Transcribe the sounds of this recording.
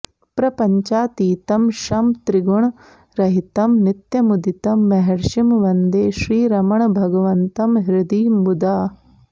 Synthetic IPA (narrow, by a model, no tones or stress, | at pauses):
pɾɐpɐɲt͡ʃaːt̪iːt̪ɐmʃɐmt̪ɾiɡuɳ | ɾɐɦit̪ɐmnit̪jɐmud̪it̪ɐmːɐɦɐɾʃimʋɐnd̪eːʃɾiːɾɐmɐɳbʱɐɡɐʋɐnt̪ɐmɦiɾɪd̪iːbud̪aː